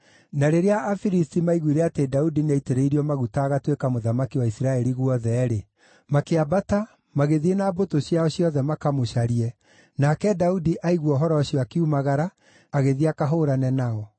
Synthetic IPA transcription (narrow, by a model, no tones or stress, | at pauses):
naɾeɾeaʔːfiɾistimaiɣwiɾeatedaudineiteɾeiɾiɔmaɣutaɣatwekamoðamakiwaisiɾaɛɾiɣwɔðɛɾe | makeabata | maɣeðienaːbotoɕjaɔɕiɔðɛmakamoɕaɾiɛ | nakɛdaudiʔaiɣwɔɦɔɾɔɕiɔakiumaɣaɾaː | ɣeðiakaɦoɾanɛnaɔ